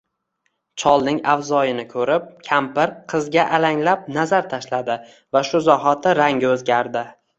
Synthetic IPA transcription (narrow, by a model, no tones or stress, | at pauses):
t͡ʃʰɒlˠnɪŋavzɒjɪnɪkʰɵɾɪp̚kʲʰampɪɾqʰɨzɡʲaʔalaŋlap̚nazaɾt̪ʰaʃlad̪ɪ | vaʃʊzɒɦat̪ʰɪɾaŋʲɪɵzɡʲaɾd̪ɪ